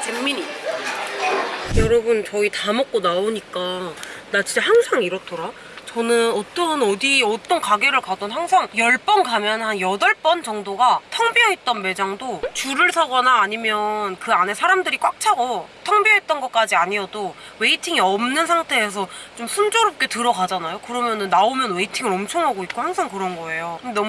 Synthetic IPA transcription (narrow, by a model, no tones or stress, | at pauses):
t͡ɕeŋmiɲi | jʌɾʌbunt͡ɕʌitamʌk̚k͈onaoɲik͈anat͡ɕit͡ɕehaŋsʰaŋiɾʌtʰʌɾa | t͡ɕʌnɯnʌt͈ʌnʌdiʌt͈ʌnkaɡe̞ɾɯɭkadʌnɦaŋsʰaŋjʌɭp͈ʌnkamjʌnhanjʌdʌɭp͈ʌnt͡ɕʌŋdoɡatʰʌŋbiʌɦet̚t͈ʌnme̞d͡ʑaŋdot͡ɕuɾɯɭsʰʌɡʌnaːɲimjʌnkɯane̞sʰaɾamdɯɾik͈wak̚t͡ɕʰaɡotʰʌŋbie̞t̚t͈ʌnɡʌk͈ad͡ʑiaɲiʌdo | we̞itʰiŋiʌmnɯnsʰaŋtʰe̞ːs̬ʰʌt͡ɕomsʰund͡ʑoɾʌp̚k͈e̞tɯɾʌɡad͡ʑanajokɯɾʌmjʌnɯnːaomjʌnwe̞itʰiŋɯɾʌmt͡ɕʰʌŋɦaɡoik̚k͈ohaŋsʰaŋkɯɾʌnɡʌe̞jokɯdenʌm